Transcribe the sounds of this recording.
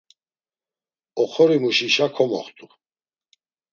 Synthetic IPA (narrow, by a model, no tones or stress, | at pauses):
ɔχʰɔɾimuʃiʃakʰɔmɔ̰χt̪ʼu